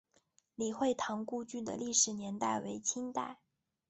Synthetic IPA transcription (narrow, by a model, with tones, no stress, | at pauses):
li˨˩xwe˥˩ɪt̪ʰɑ˧˥ŋku˥˧t͡ɕy˥˩d̪ə̰˨li˥˩ʂɻ̩˨˩njɛ˧˥nt̪a˥˩ɪwe˧˥ɪt͡ɕʰi˥ŋt̪a̰˥˩ɪ